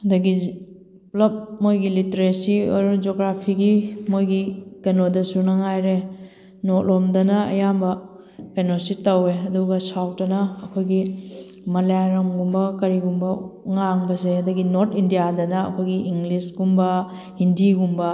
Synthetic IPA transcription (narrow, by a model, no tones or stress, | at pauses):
hɐdɐɡi | plɐp̚mojɡiliteɾesiojɾud͡ʒoɡɾapʰiɡimojɡikenodɐsunɐŋajɾe | notlomdɐnɐɐ̰jambɐ | penositɐweɐduɡɐsaw̚tɐnɐːkʰojɡimɐlaɾɐmɡumbɐkɐɾiɡumbɐŋaŋbɐseɦɐdɐɡinoɾtʰindijadɐnɐɐ̰kʰojɡiʔiŋlisɡumbɐ | indiɡumbɐ